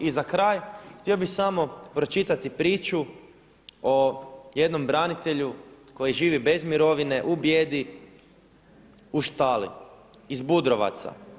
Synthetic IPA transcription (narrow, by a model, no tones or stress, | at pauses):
izakɾaːjxt̪iobixsamo̞pɾo̞t͡ʃit̪at̪ipɾiːt͡ʃu | oje̞d̪no̞mbɾanit̪e̞ʎuko̞jiʒiːʋibe̞zmiɾo̞ʋine̞ʔubjeːd̪i | uʃt̪aːlḭ | izbud̪ɾo̞ʋa̰t̪sa̰